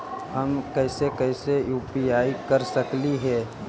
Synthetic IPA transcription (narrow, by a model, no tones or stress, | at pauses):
ɦɐmkɛːsekɛːsejuːpiaːikɐɾsəkliɦɛː